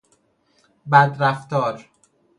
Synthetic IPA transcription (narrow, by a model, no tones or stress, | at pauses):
bæd̪ɾæft̪ɒːɾ